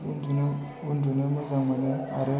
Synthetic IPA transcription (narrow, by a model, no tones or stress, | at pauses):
undu | undunəmazaŋmɐnəaɾə